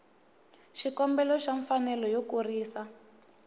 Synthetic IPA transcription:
ʃikɔmbɛlɔʃaɱfanɛlɔjokuriːsa

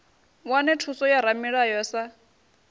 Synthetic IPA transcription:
wanɛtʰusɔjaɾamiɺajɔsa

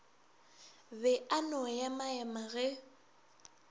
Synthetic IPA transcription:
βɛanɔjamaɛmaɣɛ

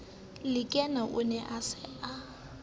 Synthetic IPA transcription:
lɪkʼɛnaʔʊnɛʔasɪa

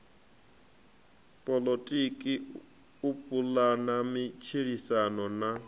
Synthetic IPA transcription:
pʼɔlotʼikʼi | upʼulanamit͡ʃʰiɺisanɔna

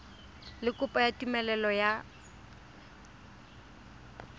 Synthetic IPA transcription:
lɪkʼʊpʼɔjatʼimɛlɛlɔja

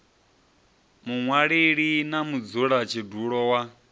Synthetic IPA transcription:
muŋwaɺeɺinamud͡zuɺat͡ʃʰiduɺɔwa

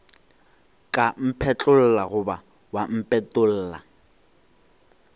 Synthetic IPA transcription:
kʼam̩pʰɛt͡ɬʼʊl̩laɣʊba | wam̩pʼɛtʼʊl̩ːla̰

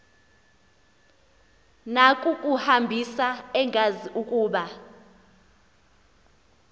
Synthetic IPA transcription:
nakʼukʼuhambʱisaɛŋʱaziʔukʼuːɓa

